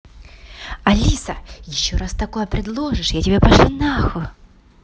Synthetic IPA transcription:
ɐlʲisəjɪɕːoɾast̪ɐko̞jəpɾʲɪd̪lˠo̞ʐɨʂjatʲɪbʲepɐʂlʲunaxʊ

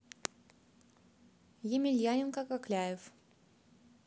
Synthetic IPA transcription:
jemʲɪlʲjanʲɪnkakaklʲajɪf

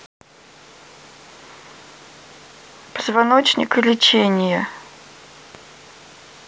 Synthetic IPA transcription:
pəzvɐnot͡ɕnʲɪ̰kɨlʲɪt͡ɕenʲɪjə

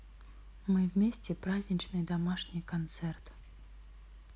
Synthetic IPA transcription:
mɨvmʲesʲtʲɪpɾazʲnʲɪt͡ɕnɨjd̪ɐmaʂnʲɪjkɐnt̪sɛrt̪

